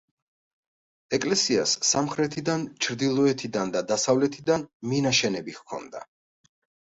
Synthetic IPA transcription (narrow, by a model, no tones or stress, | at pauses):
ɛkʼlɛsia̰sːamχɾɛt̪ʰid̪ant͡ʃʰɾd̪ilˠɔɛt̪ʰid̪and̪ad̪asavlɛt̪ʰid̪anminaʃɛnɛbihkʰɔ̰nd̪a